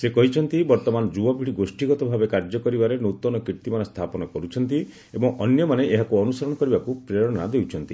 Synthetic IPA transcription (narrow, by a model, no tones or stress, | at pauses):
sekɔɦit͡ʃʰɔnt̪ibɔɾt̪ɔmanɔd͡ʒubɔpiɽiɡosʈiɡɔt̪ɔbʱabekaɾd͡ʒɔkɔɾibaɾenot̪ɔnɔkiɾt̪imanɔst̪ʰapɔnɔkɔɾut͡ʃʰɔnt̪i | ebɔŋɔnjɔmaneʔeɦakuɔnusɔɾɔɽ̃ɔkɔɾibakupɾeɔɽ̃ɔnad̪ewt͡ʃʰɔnt̪i